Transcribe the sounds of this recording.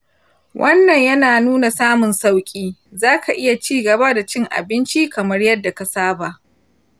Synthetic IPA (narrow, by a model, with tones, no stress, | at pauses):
wʔɐ˦nːɐ˨ɲjɐ˦naː˨nuː˦na˨saː˦mʊ˨nsa˦wkʲʼiː˦zaː˦kʰa˨ʔɪ˦ja˨t͡ʃiː˦ɡɐ˨ba˦da˨t͡ʃɪ˦ŋʔa̰˨bɪ˦nt͡ʃi˦kɐ˨mɐ˦rjɐ˦dːa˨ka˨saː˦ba˨ʔ